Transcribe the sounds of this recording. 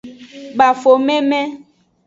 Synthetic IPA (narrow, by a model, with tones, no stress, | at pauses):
ɡ͡ba˨fo˨mɛ̃˦mɛ̃˦